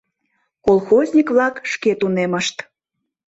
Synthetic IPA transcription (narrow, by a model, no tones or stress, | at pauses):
kolˠxozʲnʲikβlɑkʃket̪uneməʃt̪